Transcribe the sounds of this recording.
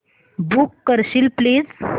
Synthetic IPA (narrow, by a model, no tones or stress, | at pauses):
buːkːəɾɕilplid͡z